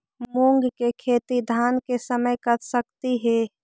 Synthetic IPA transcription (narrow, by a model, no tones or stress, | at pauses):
moːŋɡkekʰeːt̪id̪ʱaːnkesəməjkət̪səkt̪iɦɛ